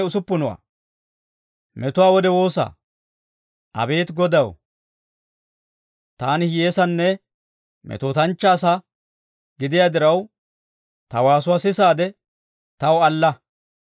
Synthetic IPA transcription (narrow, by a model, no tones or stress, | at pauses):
ʊsʊpːʊnʊwa̰ː | mɛt̪ʊwaːwɔd̪ɛwo̞ːsa̰ | ʔɐ̰be̞ːt̪ɡɔd̪ɐw̰ | t̪aːnɪje̞ːsɐnːɛ | mʔɛ̰t̪oːt̪ɐnt͡ʃːaːsɐ | ɡɪd̪ɪjaːd̪ɪɾɐw | t̪ɐwaːsʊwaːsɪsaːd̪ɛ | t̪ɐwɐlːɐ